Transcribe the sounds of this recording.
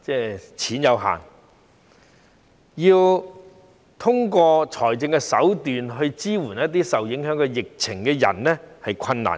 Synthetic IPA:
t͡sɛː˥˩t͡sʰiː˨˥njɐ˨˧wɦa̰ː˨˩ŋ | jiː˧w | t̪ʰʊ˥ŋkɔː˧t͡ʃʰɔː˨˩jt͡sɪ˧ŋkɛ˧sɐ˨˥wt̪yː˨nɦɵ˧ɥt͡siː˥wuː˨˩njɐ˥t̪̚t̪̬ːiː˥sɐ˨wjɪ˨˥ŋɦœː˨˥ŋkɛ˧jɪ˨k̚t͡sʰɪ˨˩ŋkɛː˧jɐ̰˨˩nlɛ˥hɐ˨jkʰɐ˧nːa̰ː˨˩n

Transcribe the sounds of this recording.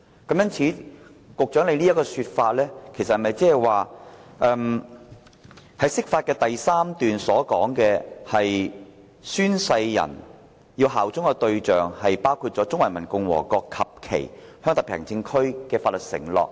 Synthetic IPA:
kɐ˨˥mjɐ˥nt͡sʰiː˨˥ | kʊ˨k̚t͡ʃœː˨˥ŋle˨˧jniː˥ɐ˥tkɔː˧syː˧t̚faː˧t̚lɛː˥kʰe˨˩sɐt̚hɐ˨˩mɐ˨jt͡sɛː˥hɛ˨˩jwaː˨˩ʔɛ˧m | hɐ˨˥jsɪ˥k̚faː˧t̚kɛː˧t̪ɐ˨jsaː˥mt̪yː˨nsɔː˨˥kɔː˨˥ŋkɛː˧hɐ˨j | syː˥nsɐ˧jːɐ̰˨˩n | jiː˧wɦaː˨˩wt͡sʊ˥ŋkɛ˧t̪ɵ˧ɥt͡ʃœː˨ŋhɐ˨jpaː˥wkʰu˧t̚t͡ʃɔː˨˥t͡sʊ˥ŋwɐ˨˩jmɐ˨˩nkʊ˨ŋwɔ̰ː˨˩kɔː˧kʰɐ˨p̚kʰḛ˨˩jhœː˥ŋt̪ɐ˨pʰɛ̰ː˨˩ŋt͡sɪ˧ŋkʰɵ˥ɥkɛː˧faː˧t̚lɵ˨t̚sɪ̰˨˩ŋlɔ̰ː˨k̚

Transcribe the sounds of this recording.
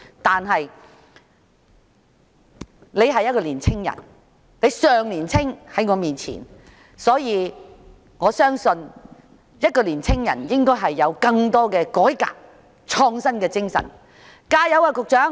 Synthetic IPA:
t̪aː˨nɦɐ˨j | le˨˧jɦɐ˨jːɐ˥t̚kɔː˧liː˨˩nt͡sʰɪ˥ŋjɐ̰˨˩n | le˨˧jsœː˨ŋliː˨˩nt͡sʰɪ˥ŋhɐ˨˥jŋɔː˨˧miː˨nt͡sʰḭː˨˩n | sɔː˨˥jiː˨˧ | ŋɔː˨˧sœː˥ŋsɵ˧n | jɐ˥t̚kɔː˧liː˨˩nt͡sʰɪ˥ŋjɐ̰˨˩njɪ˥ŋkɔː˥jɦɐ˨jːɐ˨˧wkɐ˧ŋt̪ɔː˥kɛː˧kɔː˨˥jka̰ː˧˨k̚ | t͡ʃʰɔː˧ŋsɐ˥nkɛː˧t͡sɪ˥ŋsɐ̰˨˩n | kaː˧jɐ˨˧wkaː˧kʊ˨k̚t͡ʃœː˨˥ŋ

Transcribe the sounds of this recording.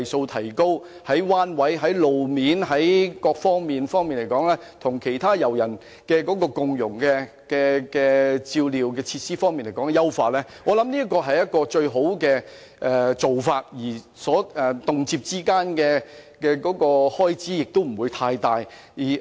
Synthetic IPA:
jso˧wt̪ʰɐ˨˩jko˥w | hɐ˨˥jwaː˥nwɐ˨˥jɦɐ˨˥jlo˨wmiː˨˧nɦɐ˨˥jkɔː˧k̚fɔː˥ŋmiː˨nfɔː˥ŋmiː˨nle˨˩jkɔː˨˥ŋlɛː˥ | t̪ʰʊ˨˩ŋkʰe˨˩jt̪ʰaː˥jɐ˨˩wjɐ˨˩n | kɛː˧kɔː˨˥kɔː˧kʊ˨˧ŋjʊ˨˩ŋkɛː˧ | kɛː˧kɛː˧t͡siː˧wliː˨˧wkɛː˧t͡sʰi˧t̚siː˥fɔː˥ŋmiː˨nle˨˩jkɔː˨˥ŋɛ˧jɐ˥wfaː˧t̚lɛː˥ | ŋɔː˨˧lɐ˨˥mniː˥ɐ˥tkɔː˧ɦɐ˨jːɐ˥t̚kɔː˧t͡ʃɵ˧ɥɦo˨˥wkɛː˧ | ʔɛ˨˧t͡so˨wfaː˧t̚jiː˨˩ | sɔː˨˥ʔɛ˨t̪ʊ˨ŋt͡siː˧p̚t͡siː˥kaː˥nkɛː˧kɛː˧kɔː˨˥kɔː˧hɔː˥jt͡siː˥jɪ˨k̚t̪o˥wm̩˨˩wuː˨˧jt̪ʰaː˧jt̪aː˨˧j | jiː˨˩

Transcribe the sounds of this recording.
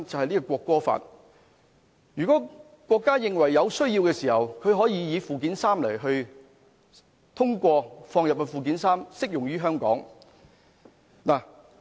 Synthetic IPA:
t͡sɐ˨whɐ˨jliː˥kɔ˧kʷɔː˧kːɔː˥fa̰ː˨t̚ | jyː˨kɔː˨˥ | kʷɔː˧kːaː˥jɪ˨ŋwɐ˨˩jːɐ˨˧wsɵ˥ɥjiː˧wkɛː˧siː˨˩hɐ˨wkʰɵ˧ɥɦɔː˨˥jiː˨˧jiː˨˧fuː˨˧k̬iː˨˥nsaː˥mlɐ˨˩jɦɵ˧ɥ | t̪ʰʊ˥ŋkʷɔː˧fɔː˧ŋjɐ˨p̚kɛ˧fuː˨k̬iː˨˥nsaː˥msɪ˥k̚jʊ˨˩ŋjyː˥ɦœː˥ŋkɔ̰ː˨˥ŋ | laː˨˩

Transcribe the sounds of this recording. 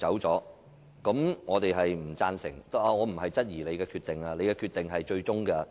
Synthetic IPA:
t͡sɐ˨˥wt͡sɔː˨˥ | kɐ˨˥mŋɔː˨˧t̪e˨jɦɐ˨jm̩˨˩t͡saː˧nsɪ̰˨˩ŋt̪aː˧ŋɔː˨˧m̩˨˩ɦɐ˨jt͡sɐ˥t̚jiː˨˩le˨˧jkɛː˧kʰyː˧t̪ɪ˨˩ŋaː˧le˨˧jkɛː˧kʰyː˧t̪ɪ˨ŋɦɐ˨jt͡ʃɵ˧ɥt͡sʊ˥ŋɡɐ˧

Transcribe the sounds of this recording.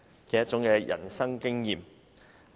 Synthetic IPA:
kɛ˨˦jɐ˥t̚t͡ʃʊ˨˥ŋkɛː˧jʔɐ̰˨˩nsɐ˥ŋkɪ˥ŋjiː˨m

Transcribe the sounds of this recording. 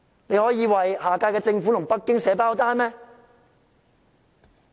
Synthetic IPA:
ne˨˧jhɔː˨˥jiː˨˧wɐ˨˩jhaː˨˩kaː˧jkɛː˧t͡sɪ˧ŋfuː˨˥lʊ˨˩ŋpɐ˥k̚kːɪ˥ŋsɛː˨˥paː˥wt̪aː˥nmɛː˥

